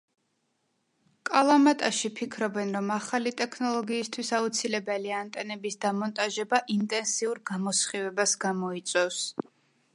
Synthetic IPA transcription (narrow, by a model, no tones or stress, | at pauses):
kʼalˠamat̪ʼaʃipʰikʰɾɔbɛnɾɔmaχalit̪ʼɛkʰnɔlˠɔɡiːst̪ʰwisaut̪sʰilɛbɛliant̪ʼɛnɛbisd̪amɔnt̪ʼaʒɛbaʔint̪ʼɛnsiuɾɡamɔsχivɛbasɡamɔit̪sʼwɛfs